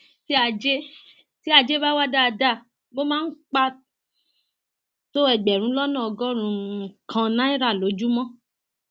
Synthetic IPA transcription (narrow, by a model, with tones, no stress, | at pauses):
ti˦a˧d͡ʒe˦ | ti˦a˧d͡ʒe˦ba˦wa˦da˦a˧da˦˨ | bo˦mãː˦n̩˦k͡pa˧ | to˦ɛ˦˨ɡ͡bɛ˨ɾ̃ũ˨˦lɔ˦nã˦˨ɔ˧ɡɔ˦ɾ̃ũ˨˧˦kʰã˧nã˨˦i˦ɾa˦˨lo˨˦d͡ʒu˦mɔ̃˦